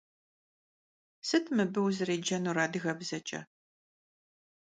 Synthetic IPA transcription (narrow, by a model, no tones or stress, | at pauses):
sɨtʰmɨbɨwzɨreːd͡ʒɐnuːɾaːdɨɣɐbzɐt͡ʃʼɐ̰